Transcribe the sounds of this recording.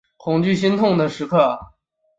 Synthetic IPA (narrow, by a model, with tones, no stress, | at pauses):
kʰʊ˨˩ŋt͡ɕy˥˩ɕ̬i˥nt̪ʰʊ˥˩ŋd̪ə˩ʂɻ̩˧˥kʰɤ˥˩